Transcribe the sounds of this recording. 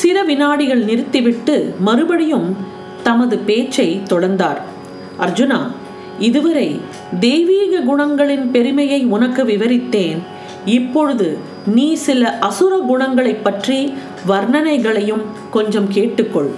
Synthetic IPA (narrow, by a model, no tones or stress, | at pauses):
sɪɾɐʋɪnaːɽɪɣɐɭnɪɾɯt̪ːɪʋɪʈːɯmɐɾɯbɐɽɪjɯm | t̪ɐmɐðɯpeːt͡ʃːɐɪt̪ɔɽɐɾnd̪aːɾ | ʔɐɾd͡ʒɯnaː | ɪðɯʋɐɾɐɪ | d̪eːʋiːɣɐɡʊɳɐŋɡɐɭɪnpɛɾɯmɐjɐɪʊnɐkːɯʋɪʋɐɾɪt̪ːeːn | ɪpːɔɻɯðɯ | niːsɪlɐʔɐsɯɾɐɡʊɳɐŋɡɐɭɐɪpːɐʈri | ʋɐɾɳɐnɐɪɣɐɭɐjɯm | kɔɲd͡ʒɐmkeːʈːɯkːɔɭ